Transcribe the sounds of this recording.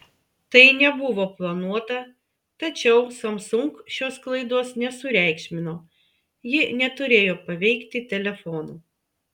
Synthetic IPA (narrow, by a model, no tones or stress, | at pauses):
t̪ɐɪnʲɛbʊʋoːplˠɐnuɔt̪ɐ | t̪ɐt͡ʃʲɛʊsɐmsʊŋkʃʲoːsklˠɐɪd̪uɔsnʲɛsʊɾʲæˑɪkʃʲmʲɪnoː | jɪnʲɛt̪ʊɾʲeːjoːpɐʋʲɛɪkt̪ʲɪt̪ʲɛlʲɛfɔːnuː